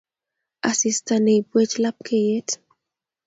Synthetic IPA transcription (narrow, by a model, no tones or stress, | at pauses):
asistaneibwet͡ʃlap̚kʰejet